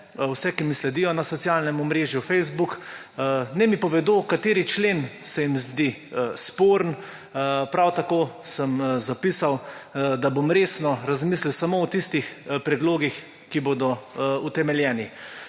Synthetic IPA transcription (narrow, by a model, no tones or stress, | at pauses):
wsɛkimislɛd̪ijɔnasɔt̪sijalnɛmɔmɾeːʒjufɛjzbuk | nɛmipɔʋɛd̪okat̪eːɾit͡ʃleːnsɛjimzd̪ispoːɾn | pɾawt̪akoːsəmzapiːsawd̪abomɾeːsnɔɾazmisliwsamoɔt̪ist̪ixpɾɛd̪loːɡix | kiboːd̪ɔut̪ɛmɛljɛːni